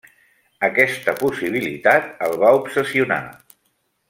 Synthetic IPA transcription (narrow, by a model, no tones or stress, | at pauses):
əkɛst̪əpusiβ̞ilḭt̪at̪̚əlˠβaupsəsiuna̰